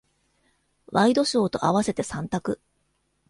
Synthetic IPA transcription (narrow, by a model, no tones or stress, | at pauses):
βaid̪o̞ɕo̞ːt̪o̞ʔaβase̞t̪e̞sãnt̪akɯ̟